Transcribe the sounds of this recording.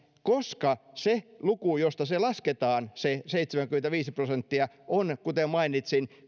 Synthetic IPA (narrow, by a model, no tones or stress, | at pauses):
koskɑselukujost̪ɑselɑsket̪ɑːnseseit̪semæŋkyment̪æʋiːsiprosent̪ːiɑ | ʔonkut̪emmɑinit̪sin